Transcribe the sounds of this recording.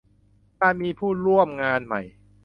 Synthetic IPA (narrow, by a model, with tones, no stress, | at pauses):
kaː˥˩miː˧pʰuː˥˩ɾu˥˩əmŋaː˧nma̰˨˩j